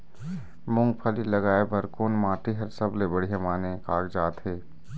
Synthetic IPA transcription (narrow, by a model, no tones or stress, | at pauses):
mʊ̃ŋɡpʰəlilɐɡaːebʱəɾkoːnmãːʈiɦɐɾsəblebəɽijamaːnẽkaːɡd͡ʒaːt̪ɦeː